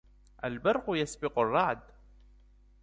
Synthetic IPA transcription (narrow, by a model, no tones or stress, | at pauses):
ʔalbɑɾˤqʊjasbɪqʊrˤːɑʕd̪